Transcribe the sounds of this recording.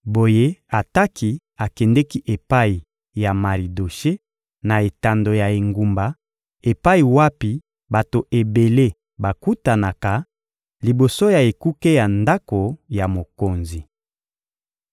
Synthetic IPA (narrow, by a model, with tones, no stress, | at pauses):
bo˨je˦a˨ta˦ki˦ | a˨kɛ˨ndɛ˦ki˦ʔe˨pa˦i˨ | ja˨ma˨li˨do˨ʃe˦ | na˨e˨ta˨ndo˨ja˨e˨ŋɡu˨mba˨ | e˨pa˦i˨wa˦pi˨ | ba˨to˨ʔe˨be˨le˦ | ba˨ku˦ta˨na˨ka˨ | li˨bo˨so˦ja˨e˨ku˦ke˦ja˨nda˦ko˨ja˨mo˨ko˨nzi˨